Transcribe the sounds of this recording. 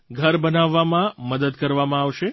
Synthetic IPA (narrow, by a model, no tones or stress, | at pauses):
ɡʱəɾbənaʋːamãməd̪əd̪kəɾʋamãaʋʃe